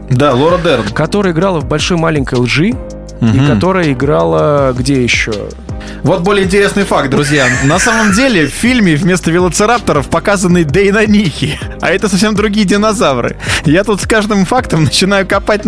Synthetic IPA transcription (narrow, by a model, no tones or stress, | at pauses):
d̪alˠoɾəd̪ɛrnkɐt̪o̞ɾəjəɪɡɾalˠəvbɐlʲʂojmalʲɪnʲkəjlˠʐɨ | m̩ikɐo̞ɾəjəɪɡɾalˠəɡdʲejɪɕːo̰ | vo̞t̪̚bo̞lʲɪjəɪnʲtʲɪɾʲesnɨjfak̚t̪̚d̪ɾʊzʲjanɐsaməmdʲelʲɪfʲfʲilʲmʲɪvmʲe̞st̪əvʲɪlˠət̪sɨɾap̚t̪əɾəfpɐkazənːɨd̪ejnɐnʲixʲɪɐ̰ɛt̪əsɐfsʲemd̪ɾʊɡʲijədʲɪnɐzavɾɨ̰jat̪ut̪skaʐd̪ɨmfakt̪əmnət͡ɕɪn̪ajʊkɐpat̚ʲ